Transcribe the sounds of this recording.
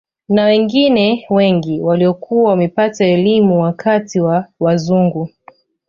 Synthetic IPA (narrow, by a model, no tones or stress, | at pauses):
nawɛŋɡinɛwɛŋɡiwaliɔkʰuwawamɛpataɛlimuwakatiwawazuŋɡu